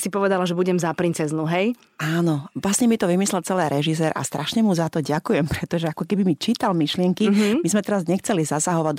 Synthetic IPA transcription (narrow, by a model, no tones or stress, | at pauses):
sipɔʋɛd̪alaʒɛbuɟɛmzapɾint͡sɛznuɦɛj | aːnɔʋlasɲɛmit̪ɔʋimislɛlt͡sɛlɛːɾʔɛʒis̬ɛːɾʔa̰st̪ɾʔaʃɲɛmuzat̪ɔɟakujɛmpɾɛt̪ɔʒɛakɔkɛbimit͡ʃiːt̪almiʃlɪɛŋkimizmɛt̪ɛɾazɲɛxt͡sɛlizasaɦɔʋa